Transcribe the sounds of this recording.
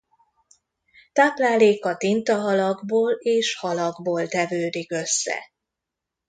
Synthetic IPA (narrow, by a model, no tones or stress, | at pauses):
t̪aːplaːleːkɒt̪int̪ɒɦɒlɒɡboːleːʃhɒlɒɡboːlt̪ɛvøːd̪ikø̞sːɛ̰